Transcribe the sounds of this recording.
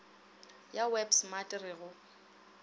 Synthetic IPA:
jawɛbsmatʼɪrɪɣʊ

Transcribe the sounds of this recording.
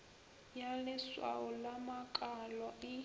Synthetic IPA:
jalɪswa̰ɔlamakʼalɔɪ

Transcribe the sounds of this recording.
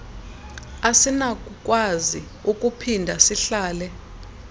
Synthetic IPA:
asinakʼuk̬ʼwazi | ukʼupʰindʱasiɬaːlɛ

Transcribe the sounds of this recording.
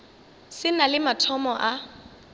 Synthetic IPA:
sɪnalɪmatʰɔmɔʔa

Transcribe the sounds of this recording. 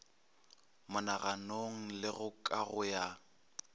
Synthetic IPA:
mʊnaɣanoŋ̩lɪɣʊkʼaɣʊja

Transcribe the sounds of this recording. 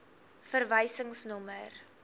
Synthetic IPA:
fərvəjsəŋsnɔmər

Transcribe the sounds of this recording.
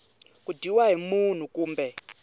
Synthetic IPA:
kudʱiwaɦimun̤ukuːmbɛ

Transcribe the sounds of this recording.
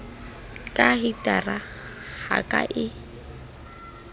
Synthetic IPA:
kʼaɦitʼara | ha̰kʼa̰ʔɪ

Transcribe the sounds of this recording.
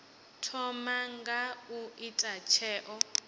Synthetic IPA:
tʰɔmaŋɡauitʼat͡ʃʰɛːʔɔ

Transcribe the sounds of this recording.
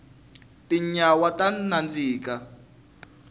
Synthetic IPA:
tiɲawatanand͡ziːka

